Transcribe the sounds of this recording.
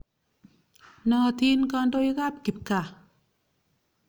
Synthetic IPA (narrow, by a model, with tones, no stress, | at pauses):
nɔː˧˩t̪ʰiː˧nkɔː˧ndo˧˨jɣaː˥˩˨p̚ki˨˩p̚ka˧˩